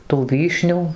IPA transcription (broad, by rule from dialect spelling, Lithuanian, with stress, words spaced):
tuː ˈʋʲiːʃʲnʲuː